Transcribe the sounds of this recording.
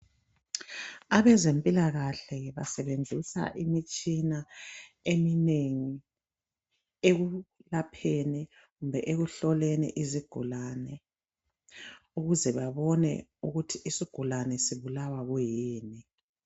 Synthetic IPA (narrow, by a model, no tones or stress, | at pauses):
aβɛzempʼilaɣaɬɛβasɛβend͡zʱisa̰ʔimit͡ʃʼinaemineŋi | eɣulapʰeni | ɣumbʱɛʔeɣuɬɔlɛnɛ̰ʔiziɡ̥ʱulanɛ | uɣuzɛβaβɔnɛ̰uɣutʰiʔisiɡ̥ʱulanɛsiβulawaɣujiːni